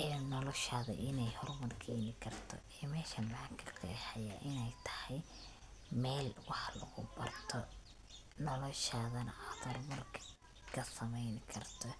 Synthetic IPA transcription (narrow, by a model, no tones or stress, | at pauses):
ɛːnɔlɔʃaːðɐ̰ʔɪnɛjhɔrmɐrkʰɛːnɪkʰɐrt̪ʰɔ̰ɛːmɛːʃɐmakʰɐqɛ̰ːħɛjaʔɪnɛjt̪ʰɐ̥hɛj | mɛːlwɑħlɐ̰ɣʊ̰bɐ̰rt̪ʰɔ | nɔlɔʃaðɐnɑfɐrmɐrkʰ | kʰɐsɐmɛjnɪkʰɐrt̪ʰɔ